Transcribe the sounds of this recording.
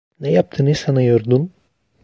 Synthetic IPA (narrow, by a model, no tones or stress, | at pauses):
nɛjap̚t̪ʰɯnɯsanajoɾd̪un